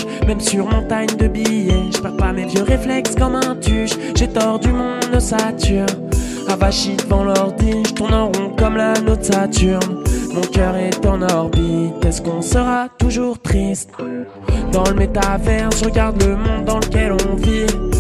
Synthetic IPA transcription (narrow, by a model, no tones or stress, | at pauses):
mɛmsyʁmɔ̃t̪aɲd̪əbijeʒəpaʁpamevjøʁeflɛkskɑ̃mɛ̃t̪yʃ | ʒet̪ɔʁd̪ymɔ̃nɔsat̪yʁn | avaʃid̪əvɑ̃lɔʁd̪iʒt̪unɑ̃ʁɔ̃kɔmlanosat̪yʁnmɔ̃kʲœʁɛt̪ɑ̃nɔʁbit̪ɛskɔ̃səʁat̪uʒuʁt̪χist̪ | d̪ɑ̃ləmet̪avɛʁʒəʁəɡaʁd̪ləmɔ̃d̪ːɑ̃ləkʲɛlɔ̃vi